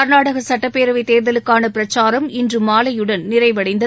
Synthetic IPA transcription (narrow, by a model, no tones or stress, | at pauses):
ɐɾnaːɽɐɣɐsɐʈːɐpːeːɾɐʋɪt̪ːeːɾðɐlɯkːaːnɐpɪɾɐt͡ʃːaːɾɐmɪndrɯmaːlɐjɯɽɐnnɪrɐɪʋɐɽɐɪnd̪ɐ